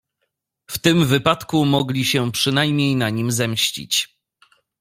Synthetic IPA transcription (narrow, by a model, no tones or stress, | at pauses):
ft̪ɘmvɘpat̪kumɔɡlʲiɕɛpʂɘnajmɲejnaɲimzɛmɕt͡ɕḭt͡ɕ